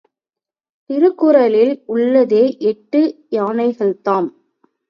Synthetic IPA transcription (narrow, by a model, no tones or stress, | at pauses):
t̪ɪɾɯkːʊɾɐlɪlʊɭːɐðeːʔɛʈːɯjaːnɐɪɣɐɭt̪aːm